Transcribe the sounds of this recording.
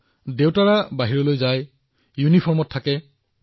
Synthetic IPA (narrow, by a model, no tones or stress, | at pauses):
dewtaɹabaɦiɹɔlojzaj | junipʰɔɹmɔtʰːakɛ